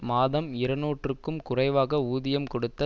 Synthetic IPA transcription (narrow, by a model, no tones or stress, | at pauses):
maːðɐmɪɾɐnoːʈrɯkːɯmkʊrɐɪʋaːɣɐuːðɪjɐmkɔɽɯt̪ːɐ